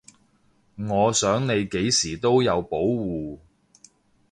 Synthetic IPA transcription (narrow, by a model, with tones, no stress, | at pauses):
ŋɔː˨˧sœː˨˥ŋne˨˧jke˨˥jsiː˨˩t̪o˥wjɐ˨˧wpo˨˥wwuː˨